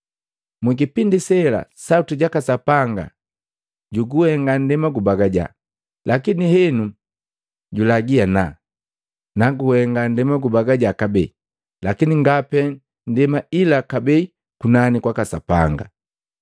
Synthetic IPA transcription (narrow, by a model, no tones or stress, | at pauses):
miɡipindisɛla̰sautiɟakasapaŋɡa̰ | ɟuɡuhɛŋɡan̩dɛmaɡubaɡaɟa̰ | lakinihɛnu | ɟulaɡiana | naɡuhɛŋɡandɛmaɡubaɡaɟakabɛi | lakiniŋɡapɛ | n̩dɛmailakabɛi | kunanikwakasa̰pa̰ŋɡa̰